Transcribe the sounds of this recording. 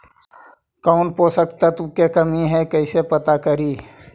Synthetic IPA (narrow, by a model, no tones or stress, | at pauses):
kɔːnpoːsəkt̪at̪ʊkekəmiɦɛkəɪsepət̪akəɾiː